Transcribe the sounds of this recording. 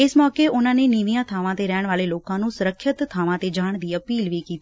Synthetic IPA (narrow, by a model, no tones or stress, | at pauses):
ɪsmɔːkeːʔʊnãːneːniʋiːãːt̪ʰaːʋãːt̪eːɾɛːɳ̃ʋaːleːloːkãːnũːsʊɾəkʰːət̪t̪ʰːaːʋãːt̪eːd͡ʒaːɳ̃d̪iːəpiːlʋiːkiːt̪ː